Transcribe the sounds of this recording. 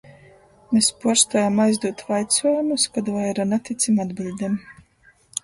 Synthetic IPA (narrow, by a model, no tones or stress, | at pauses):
mespuɔɾst̪ajamajzd̪uɔt̪vajt̪sɔjumuskad̪vajɛɾanat̪it̪sʲimad̪bilʲd̪em